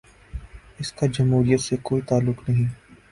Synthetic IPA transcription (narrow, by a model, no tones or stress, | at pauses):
ɪskad͡ʒɐmɦuːɾijət̪sekoːit̪aːlːʊknɐɦĩː